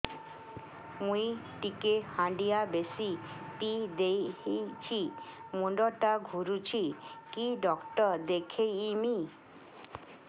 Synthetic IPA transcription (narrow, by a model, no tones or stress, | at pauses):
mũi | ʈikehãɳɖijabesipid̪ejit͡ʃʰimuɖɔʈaɡʱuɾut͡ʃʰikiɖɔkʈɔd̪ekʰejːmi